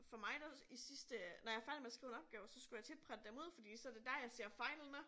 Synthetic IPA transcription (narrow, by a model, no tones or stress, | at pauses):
fɒ̽mɑ̈ɪd̥æisisd̥ənɒjɑ̈ɪfæɪld̥meæsɡ̥ʁiːʊe̝nɒ̽b̥̚ɡ̥ɛːʊsɒ̽sɡ̥ujaɪt͡sʰe̝lpʰʁad̥əd̥emo̝ð̰ˠfɒ̽d̥ḭːsɒ̽æɐd̥e̝d̥æɐjɑ̈ɪse̝ɐ̰fɑ̈ɪlnə